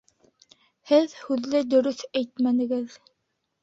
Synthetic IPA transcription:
hɘðhʉðlɘd̪ɵ̆ɾɵθæjt̪mænɘ̆ɡɘð

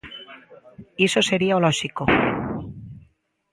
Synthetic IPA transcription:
esose̞ɾiaoloʃiko

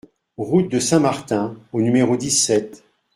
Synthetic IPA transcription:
ʁut̪̚d̪əsɛ̃maʁt̪ɛ̃onymeʁod̪isɛt̪

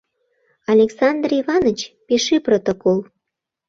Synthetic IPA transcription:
ɑlʲeksɑnd̪riβɑnət͡ɕpeʃiprot̪okol

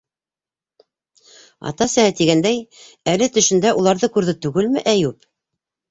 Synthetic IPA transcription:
ɑ̰t̪ɑsæt̪iɡænd̪æj | ælɘt̪ɵ̆ʃɘ̆nd̪æʔulˠɑɾðɤkʉɾðɘt̪ʉɡɘlmɘʔæjʉp

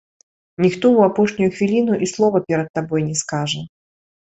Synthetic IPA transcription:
nʲɪxt̪ouɐpoʂnʲʊjʊxvʲilʲinʊʔislˠɔvɐpʲeɾʲət̪ːabojnʲɪskaʐɨ

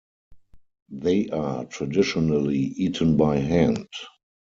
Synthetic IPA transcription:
ðeɪʔatʰɹadɪʃɔnəliiːtʰə̃nbaɪɦæ̃nd

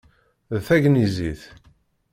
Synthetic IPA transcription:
ðθæʝniziθ

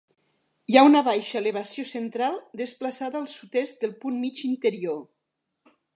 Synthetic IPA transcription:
jaunaβajʃaeleβ̞asjosent̪ɾalˠd̪esplasaðəːlˠsut̪esd̪elˠpunmid͡ʒint̪eɾio

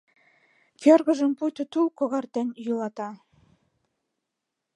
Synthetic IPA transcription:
kʲerɣə̆ʒə̆mpujt̪ɤ̆t̪ulˠkŏɣɑrt̪ĕnʲjulˠɑt̪ɑ

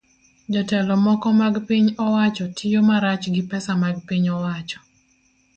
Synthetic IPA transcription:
d͡ʒɔtɛlɔmɔkɔmaɡpiɲɔwat͡ʃɔtʰɪjomaɾat͡ʃɡɪpɛsamaɡpiɲɔwat͡ʃɔ̥

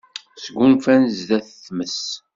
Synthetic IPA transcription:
sɡʷunfænzðæθθməs

